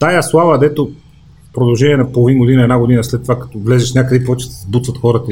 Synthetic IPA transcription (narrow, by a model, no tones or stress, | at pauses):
t̪ajəslˠavɐd̪ɛt̪o | pɾod̪ɐlˠʒɛnʲiɛnɐpolˠovinɡod̪inəɛd̪aɡod̪inəslɛt̪ːovakɐ̥t̪ɔvlɛzɛʃnʲakəd̪ɛpovɛt͡ʃɛ̥sɛzbut̪vɐt̪xɔɾət̪ə